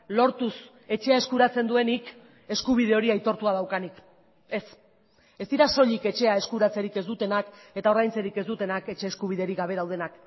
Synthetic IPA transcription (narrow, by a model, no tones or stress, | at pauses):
lo̞ɾt̪us | e̞t͡ʃe̞ae̞skuɾat͡se̞nd̪ue̞nik | e̞skuβ̞ið̞e̞o̞ɾiajt̪o̞ɾt̪uað̞awkanik | e̞s | e̞st̪iɾaso̞ʎike̞t͡ʃe̞ae̞skuɾat͡seɾike̞zd̪ut̪e̞nake̞t̪ao̞ɾðajnt͡se̞ɾike̞zd̪ut̪e̞nake̞t͡ʃe̞ːskuβ̞iðeɾiɣaβ̞e̞ðawð̞e̞nak